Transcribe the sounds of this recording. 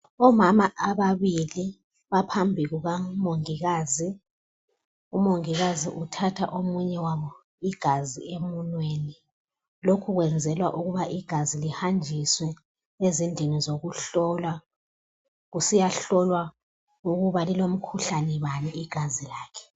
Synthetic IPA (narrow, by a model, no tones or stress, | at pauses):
ɔmamaʔaβaβili | βapʰambʱiɣuɣamoŋiɣaːzi | umoŋiɣazḭʔutʰatʰaʔomuɲɛwaβɔ | iɡ̥ʱazḭemunweni | lokʰuɣwɛnd͡zʱɛlwa̰ʔuɣuβaʔiɡ̥ʱazilihand͡ʒʱiswɛ | ezindʱinizoɣuɬɔlwa | ɣusijaɬɔlwa | uɣuβalilom̩kʰuɬanɛβanɛiɡ̥ʱazilaːkʰɛ̥